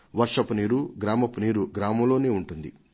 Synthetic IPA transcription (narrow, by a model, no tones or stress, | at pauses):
ʋɐɾʂɐpuniːɾuɡɾaːmɐpuniːɾuɡɾaːmɐmlo̞ːneːuɳʈund̪ḭ